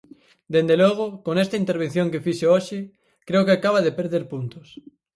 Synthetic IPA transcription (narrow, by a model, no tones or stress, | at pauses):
d̪end̪eloɣ̞okoŋest̪aint̪eɾβ̞ẽn̟θjoŋkefiʃeoʃɪ | kɾeokeakaβaðepeɾðeɾpunt̪o̥s